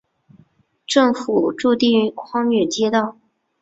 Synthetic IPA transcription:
ʈ͡ʂɤ˥˩ŋfu˨˩ʈ͡ʂu˥˧t̪i˥˧ŋkʰwɑ˥ŋy˨˩t͡ɕjɛ˥t̪ɑ˥˩ʊ

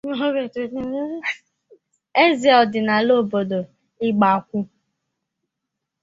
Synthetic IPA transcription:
ɡe˨tu˨nu˦ | e˦zi˨ɔ˨dɪ˨na˨lo˦˨bo˨do˨ | ɪ˦ɡ͡ba˨kʷu˦

